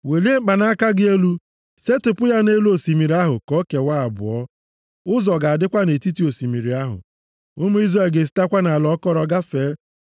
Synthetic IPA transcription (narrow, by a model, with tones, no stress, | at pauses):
we˨li˦e˦ŋ͡m̩˦k͡pa˨na˦a˦ka˦ɡɪ˦e˦lu˦ | se˦tʊ˨pʊ˦ja˦ne˦lu˦o˨si˨mi˨ɾi˨˦a˦ɦʊ̰˨kɔ˦ke˨wa˦a˨bʊ̰˨ɔ˦ | ʊ˦zɔ˨ɡa˨a˨dɪ˦kʷa˦ne˨ti˦ti˦o˨si˨mi˨ɾi˨a˦ɦʊ̰˨ | ʊ˦mu˦i˦zɾa˨ɡe˨s̬i̥˦ta˦kʷa˦na˨a˨lɔ˨˦kɔ˦ɾɔ˨ɡa˦feː˨˦